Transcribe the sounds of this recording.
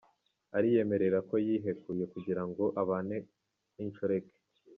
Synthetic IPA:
aɾije̞me̞ɾe̞ɾako̞jiɦe̞kuje̞kuɟiɾaŋɡo̞ʔaβaːne̞ | iɲt͡ʃoɾe̞ke̥

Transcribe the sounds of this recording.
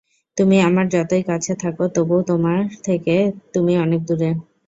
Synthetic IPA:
t̪umiamaɾd͡ʑɔt̪ojkat͡ɕʰet̪ʰakot̪obot̪omaɾt̪ʰeket̪umiɔnek̚d̪uɾe

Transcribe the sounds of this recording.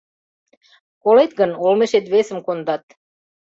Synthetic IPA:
kolet̪ɡə̆nolmeʃet̪βesə̆mkond̪ɑt̪

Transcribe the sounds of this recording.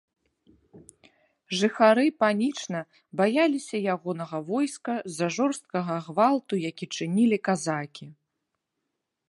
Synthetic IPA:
ʐɨxaɾɨpanʲit͡ʂnɐ | bajalʲisʲɐjaɣɔnɐɣɐvɔjskɐzɐʐɔrst̪̚kɐɣɐːɣvalˠt̪ujakʲit͡ʂɨnʲilʲikazakʲi

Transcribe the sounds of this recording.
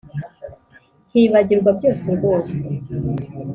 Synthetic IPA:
hiːβaɟiɾɡwabjo̞ːseɡo̞ːse̥

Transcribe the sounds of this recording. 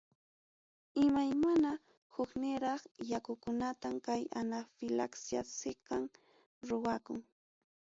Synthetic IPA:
ɪmajmana | hʊknɪɾɑχjakʊkʊnat̪amkajanafɪlaksja̰sɪqɑŋ | ɾʊwakʊŋ

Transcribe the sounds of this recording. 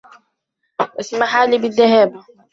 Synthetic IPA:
ʔasmaħaːliːbɪðːahaːba

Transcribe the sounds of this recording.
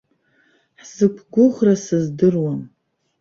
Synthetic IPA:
ħz̥ɨkʷʰɡʷʊʁrasɨzdɨrwam

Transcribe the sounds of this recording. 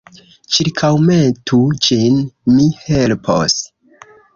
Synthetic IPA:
t͡ʃiɾkʰawmetʰud͡ʒinmihe̞lpʰo̰s

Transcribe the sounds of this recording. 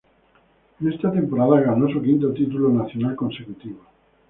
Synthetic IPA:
nest̪at̪e̞mpo̞ɾaðaɣano̞sukint̪ot̪it̪̬ulonaθjonalko̞nse̞kut̪iβ̞o

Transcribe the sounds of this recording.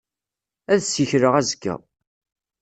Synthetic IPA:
æðsiçɾəʁæzɡːæ̰

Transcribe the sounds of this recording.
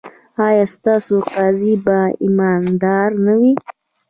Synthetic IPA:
ɑjɑst̪ɑsoqɑzibaimɑnd̪ɑɾnawi

